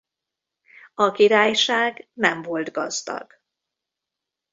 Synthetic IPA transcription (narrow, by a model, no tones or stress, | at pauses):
ɒkiɾaːjʃaːɡnɛɱvo̞ld̪ɡɒzd̪ɒ̰ɡ̥